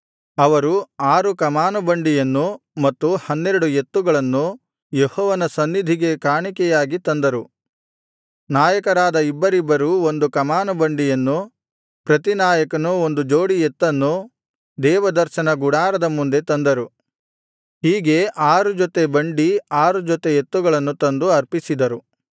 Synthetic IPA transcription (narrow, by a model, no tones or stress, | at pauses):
ɐʋɐɾuaːɾukɐmaːnubɐɳɖijɐnːu | mɐt̪ːuhɐnːeɾuɽujet̪ːuɡɐɭɐnːu | jehɔːʋɐnɐsɐnːid̪ʱiɡe̞kaːɳikɛjaːɡit̪ɐnd̪ɐɾu | naːjɐkɐɾaːd̪ɐibːɐɾibːɐɾuo̞nd̪ukɐmaːnɐbɐɳɖijɐnːu | pɾɐt̪inaːjɐkɐnuo̞nd̪ud͡ʒo̞ːɽijet̪ːɐnːu | d̪ɛːʋɐd̪ɐɾʃɐnɐɡuɽaːɾɐd̪ɐmund̪e̞t̪ɐnd̪ɐɾu | hiːɡe̞ʔaːɾud͡ʒot̪e̞bɐɳɖiaːɾud͡ʒɔt̪ejet̪ːuɡɐɭɐnːut̪ɐnd̪uɐɾpisid̪ɐɾu